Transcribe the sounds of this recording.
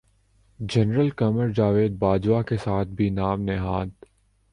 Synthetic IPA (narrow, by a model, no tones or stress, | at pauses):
d͡ʒɐnɾəlkɐməɾd͡ʒaːʋeːd̪̚baːd͡ʒwakesaːt̪̚ʰbʱinaːmnɪɦaːd̪